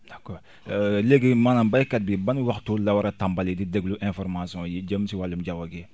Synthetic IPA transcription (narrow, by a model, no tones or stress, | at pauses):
d̥akɔɾ | leɡimanambajkat̚bibanwaktːulawaɾatambalidideɡluʔɛ̃fɔɾmasijɔ̃jid͡ʒəmsiwalːumd͡ʒawaɡɛ